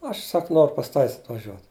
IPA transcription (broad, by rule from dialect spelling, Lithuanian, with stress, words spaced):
ˈɐʃ ˈsɐk ˈnoːrʊ pɐs ˈtɑːʋʲɪs ɐtʋɐˈʒʲuɔt